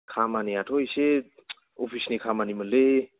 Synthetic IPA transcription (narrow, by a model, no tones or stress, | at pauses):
kʰamaniaʈʰoise | ofʰisnikʰamanimənle